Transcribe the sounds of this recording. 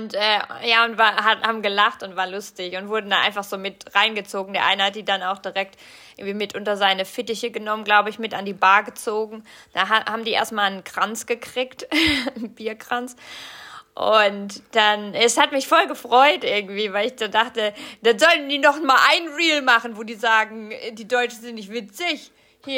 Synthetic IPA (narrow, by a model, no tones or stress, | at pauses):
ʊntʔɛːjaːʊntv̥aːɦahaːbm̩ɡəlaχtʊntv̥aːɐlʊstɪçʊntv̥ʊɐdn̩danʔa̰ɪnfaχz̥oːmɪtʁaɪnɡət͡soːɡŋ̩deːɐʔaɪnəhat̚d̥iːdanaʊxd̥iʁɛk̚tʔ | ɪɐɡŋ̩v̥iːmɪtʔʊntɐzaɪnəfɪtɪçəɡənɔmənɡlaʊbəɪçmɪtandiːbaːɐɡət͡soːɡŋ̩d̥aɦahaːbm̩diːʔḛɐstmaːlənkʁ̥ant͡sɡ̥əkʁ̥ɪːktnb̥iːɐkʁ̥ant͡s | ʔʊntd̥anɛshatmɪçfɔlɡəfʁ̥ɔʏtʔɪɐɡŋ̩tv̥iːvaɪlɪçd̥adaχtəd̥anzɔltn̩diːnɔχmaːlʔaɪnnʁiːlmaχən̩voːdiːzaːɡŋ̩ɛdiːdɔʏt͡ʃn̩zɪntnɪçtv̥ɪt͡sɪç | hiːɐ